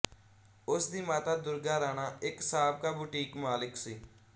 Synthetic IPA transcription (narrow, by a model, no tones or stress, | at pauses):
ʊsd̪iːmaːt̪aːd̪ʊɾɡaːɾaːñaːɪksaːbkaːbuːʈiːkmaːlɪksiː